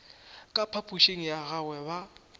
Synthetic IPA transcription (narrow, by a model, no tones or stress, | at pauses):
kʼapʰapʰʼuʃeŋ̩jaɣawɛba